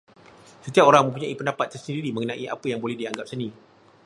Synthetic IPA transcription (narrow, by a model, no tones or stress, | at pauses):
sət̪iap̚oɾaŋmə̃mpuɲaʔipəndapat̪̚ːərsəndiɾimə̃ŋənãʔiʔa̰pəjaŋbolɛhdiaŋɡap̚sənĩ